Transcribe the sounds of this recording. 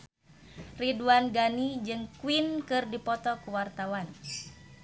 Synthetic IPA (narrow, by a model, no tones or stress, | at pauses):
riduanɡanid͡ʒɨŋkwinkɨrdipɔt̪ɔkuwart̪awan